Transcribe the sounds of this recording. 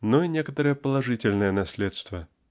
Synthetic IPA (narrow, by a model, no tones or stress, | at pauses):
noinʲekət̪əɾɨjəpəlˠɐʐɨtʲɪlʲnəjənɐsʲlʲet̪st̪və